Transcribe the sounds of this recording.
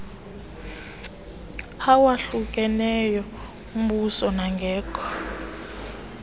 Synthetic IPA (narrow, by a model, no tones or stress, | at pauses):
awaɬukʼɛnɛjɔ | um̩ɓusɔnaŋɡʱɛːkʰʼɔ̥